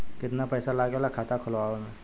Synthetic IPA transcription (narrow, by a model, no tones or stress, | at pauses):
kɪt̪napɛːsalaːɡelakʰaːt̪akʰʊlʋaːemẽ